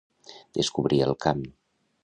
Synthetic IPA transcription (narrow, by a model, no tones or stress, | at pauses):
d̪əskuβɾiəlˠkam